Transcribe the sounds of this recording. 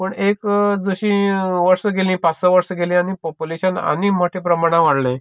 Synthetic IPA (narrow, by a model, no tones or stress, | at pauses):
pəɳekd͡zəɕĩːʋəɾsəɡelĩːpat͡ssəʋəɾsəɡelĩañipɔpuleɕəna̰nim̤oʈʰepɾəmaɽ̃ãʋaɽlẽ